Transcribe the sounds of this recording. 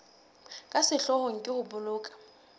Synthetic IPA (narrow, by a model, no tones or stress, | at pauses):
kʼasɪɬɔhɔŋ̩kʼɪhʊbʊlʊːkʼḁ